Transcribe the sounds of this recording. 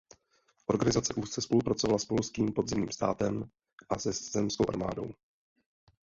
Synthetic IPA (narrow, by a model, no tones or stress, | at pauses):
ʔo̞ɾɡanɪzat͡sɛʔuːst̪t͡sɛspo̞lupɾat͡so̞valaspolskiːmpo̞d̪zɛmɲiːmst̪a̰ːt̪ɛm | ʔasɛz̥ɛmskowʔa̰ɾma̰ːdo̞̰w